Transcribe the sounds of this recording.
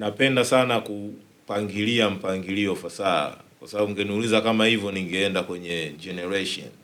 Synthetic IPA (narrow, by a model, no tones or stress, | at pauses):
napɛndasanaku | paŋɡiliam̩paŋɡiliɔfasaa̰kwasababuŋɡɛniulizakamahivjɔniŋɡɛɛndakwɛɲɛd͡ʒɛnɛɹɛʃɔ̰n